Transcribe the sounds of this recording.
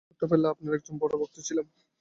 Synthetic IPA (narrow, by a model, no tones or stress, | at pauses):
t̪opeleapnaɾɛk̚d͡ʑombɔɽoboɾ̚t̪ot͡ɕʰilem